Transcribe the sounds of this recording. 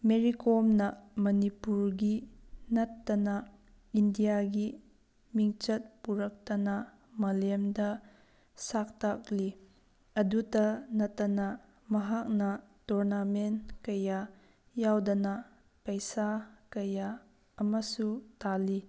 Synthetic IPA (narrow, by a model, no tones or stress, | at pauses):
meɾikɔmnɐmɐnipuɾɡinɐtːɐnɐ | indijaɡi | miŋt͡ʃɐt̚puɾɐk̚tɐnɐ | mɐlmdɐ | sak̚tak̚li | ɐdutɐnɐtːɐnɐ | mɐɦak̚nɐtɔɾnamenkɐja | jawdɐnɐ | pɐjsakɐjaː | mɐsutali